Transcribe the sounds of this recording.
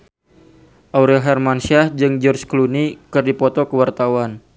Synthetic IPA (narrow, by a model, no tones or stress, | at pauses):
ʔawɾɛlɦɛrmansiahd͡ʒɨŋd͡ʒɔrd͡ʒklunikɨrdipɔt̪ɔkəwart̪awan